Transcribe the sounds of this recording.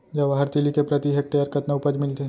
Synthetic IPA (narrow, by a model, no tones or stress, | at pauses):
d͡ʒɐʋaɦɐɾt̪ɪlikepɾɐt̪iɦek̚ʈejəɾkɐt̪naʊpəd͡ʒmɪlt̪e